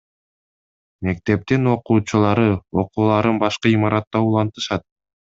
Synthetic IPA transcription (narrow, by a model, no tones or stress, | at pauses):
me̞k̚t̪e̞p̚t̪ino̞quːt͡ʃulˠɑɾɯo̞quːlˠɑɾɯnbɑʃqɯimɑɾʔɑt̪ːɑulˠɑnt̪ɯ̥ʃɑt̪̚